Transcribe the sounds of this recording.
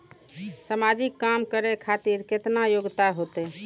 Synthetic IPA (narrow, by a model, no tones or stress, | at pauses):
səmad͡ʒikːamkəɾekʰat̪iɾket̪najoɡt̪aɦot̪ɛ